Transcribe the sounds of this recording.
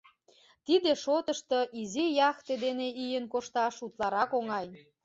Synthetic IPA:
t̪id̪eʃot̪əʃt̪oʔizijɑxt̪ed̪eneijənkoʃt̪ɑʃut̪lɑɾɑkoŋɑj

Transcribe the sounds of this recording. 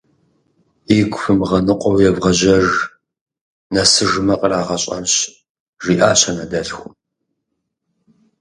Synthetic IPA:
iɡʷʼʊfɨmʁɐnɨqʷʼɔwjɛvʁɐʑɐʐ | nɐsɨʐɨmɐqʼəraːʁɐɕʼɐ̰mɕ | ʒiːʔaːɕɐnɐdɐɬxʷʊm

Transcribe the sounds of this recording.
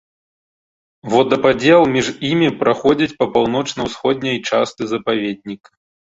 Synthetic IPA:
vɔd̪ɐpad͡zʲɛlˠmʲiʐimʲipɾaxɔd͡zʲit͡sʲpɐpawnɔt͡ʂnɐwsxɔd̪ʲnʲɐjt͡ʂast̪ɨzɐpavʲed̪̚ʲnʲik

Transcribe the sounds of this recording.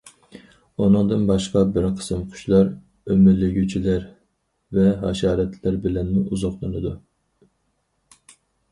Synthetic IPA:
unɨŋd̪ɨnbɑʃqɑbɪɾqʰə̥sɨmqʰʊ̥ʃlˠɑɾ | ømylːɪɡʲyt͡ʃʰilæɾ | vɛɦɑʃɑːɾɛt̪ʰlæɾbɪlɛnmuʔuzɑχlˠɨnɨd̪u

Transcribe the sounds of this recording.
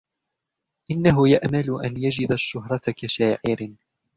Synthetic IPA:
ʔɪnːaɦʊjaʔmalʊʔanjad͡ʒɪd̪aʃːʊɦɾˤɑt̪kaʃaːʕɪɾɪ

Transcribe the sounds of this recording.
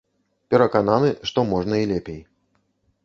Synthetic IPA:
pʲɛɾɐkananɨʂt̪ɔmɔʐnɐilʲɛpʲej

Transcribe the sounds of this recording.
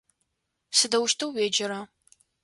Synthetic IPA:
sɨdɐwʊʃtʰɨwweːd͡ʒɪɾɐ

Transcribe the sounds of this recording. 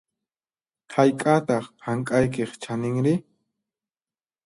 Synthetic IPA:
hajkʼat̪ɑχhaŋkʼajkeχt͡ʃanɪŋɾɪ

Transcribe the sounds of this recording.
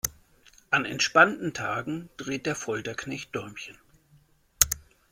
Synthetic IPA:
ʔanɛ̰ntʃpantn̩tʰa̰ːɡŋ̩d̥ʁeːt̚d̥eːɐfɔltɐkʰnɛçt̚d̥ɔmçən

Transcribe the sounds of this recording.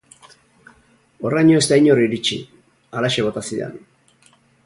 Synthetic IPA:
oraɲoest̪aiɲoriɾit͡ʃḭ | alaʃeβo̞t̪asiðḛn

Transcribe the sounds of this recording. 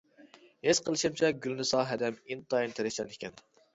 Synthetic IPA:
hez̥qʰəlˠɨʃɪmt͡ʃʰɛɡʲylnɪsɑːɦɛd̪ɛmint̪ɑjint̪ʰɪɾɛt͡ʃɑnekʲɛn

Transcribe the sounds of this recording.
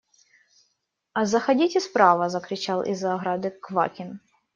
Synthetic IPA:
ɐzɐxɐdʲitʲɪspɾavɐzɐkɾʲɪt͡ɕalˠʔḭzːɐːɣɾad̪ɨkva̰kʲɪn

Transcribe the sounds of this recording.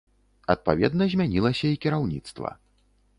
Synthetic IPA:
ɐ̰t̪̚pa̰vʲɛ̰d̪nɐzʲmʲanʲilˠɐsʲɐikʲiɾawnʲit̪st̪vɐ̰

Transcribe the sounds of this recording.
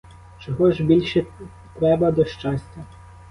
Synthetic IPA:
t͡ʃɔɦɔʒbʲilʲʃɛ | t̪ɾɛbɐd̪ɔʃt͡ʃɑsʲtʲɐ

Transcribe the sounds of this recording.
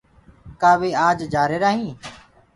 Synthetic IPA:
kaːʋeːaːd͡ʒd͡ʒaːɾeːɾaːɦĩː

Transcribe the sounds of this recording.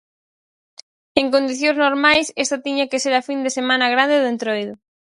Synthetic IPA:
eŋkõnd̪iθjõznoɾmajsest̪at̪iɲakeseɾafind̪esemãnɐɣɾand̪eðẽnt̪ɾojðʊ

